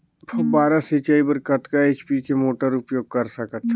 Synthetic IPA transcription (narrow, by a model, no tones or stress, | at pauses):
pʰɐbaːɾasit͡ʃaːipəɾkɐt̪kaeːt͡ʃpikemoːʈəɾʊpjoːɡ̚kɐɾsɐkət̪